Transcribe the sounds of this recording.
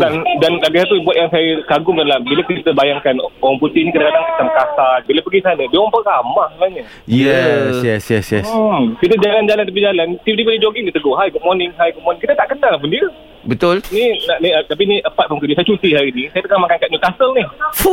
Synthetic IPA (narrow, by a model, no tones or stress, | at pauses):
kandanlaɡisat̪ubuat̪̚jaŋsajəkaɡʊmdalambilakit̪əbajaŋkanoɣaŋput̪ihnikit̪əkadaŋkat̪amkasalbilapəɡisanədioɣaŋpəkamahsəmənaɲə | jɛsjɛsjɛskit̪̬əd͡ʒaland͡ʒalant̪ap̬id͡ʒalant̪ipit̪ibədid͡ʒoɡiŋdit̪əɡʊɦajɡʊt̚mɔrnɪŋɦajɡʊt̚mɔrnɪ̃ŋkit̪ət̪aʔkədaŋlapundiə | bət̪ʊlninaʔniət̪ap̬inĩʔəpat̪̚fɔmkədusajət͡ʃut̪iɦaɾinisajət̪əɡahmakankat̪̚ɲukasəlnɪhfu